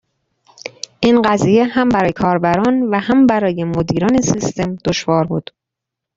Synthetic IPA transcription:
ʔiːnɢæziːje̞hæmbæɾɒːjekʰɒːɾbæɾɒːnvæhæmbæɾɒːje̞mod̪iːɾɒːnesist̪e̞md̪̥oʃvɒːɾbuːd̪̥

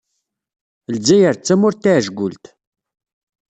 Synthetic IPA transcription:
lzæjəɾt͡sːæmʊɾt̪ːaʕʒɡʷʊlt̪

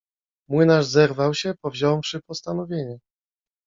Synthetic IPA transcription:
mwɘnaʐzɛɾvawɕɛpɔvʑɔwfʂɘpɔst̪anɔvʲjeɲɛ

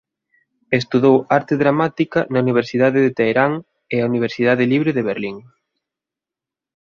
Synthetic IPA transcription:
est̪uðowaɾt̪eðɾamat̪ikɐnɐuniβ̞eɾsiðaðɪðet̪ejɾaŋ | eauniβ̞eɾsið̞aðɪliβɾeðeβeɾliŋ

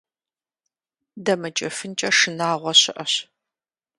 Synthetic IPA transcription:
dɐmɐt͡ʃʼɐfɨnt͡ʃʼɐʂɨnaːʁʷɔɕɪʔɐɕ

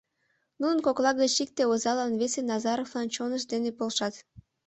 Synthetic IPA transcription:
nunənkoklˠɑɣət͡ɕik̚t̪eozɑlɑnβesenɑzɑɾovlˠɑnt͡ɕonəʃd̪enepolˠʃɑt̪

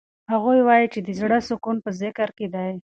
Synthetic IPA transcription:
haɣojwɑjit͡ʃed̪əzɽasʊkunpəzɪkaɾked̪aj

